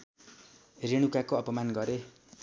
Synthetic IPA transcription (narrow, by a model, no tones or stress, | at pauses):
reɽ̃ukakoʌpʌmanɡʌɾe